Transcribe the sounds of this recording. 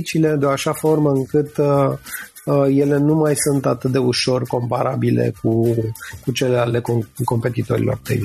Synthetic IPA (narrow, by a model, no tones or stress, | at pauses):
t͡ʃile̞d̪eaʃafo̞rməɨŋkɨt̪ | əje̞le̞numajsunt̪at̪ɨt̪̚d̪e̞uʃo̞rko̞mpaɾabilḛkukut͡ʃe̞lealekoko̞mpe̞t̪it̪o̞ɾʲḭlʔo̞̰rp̪ḛn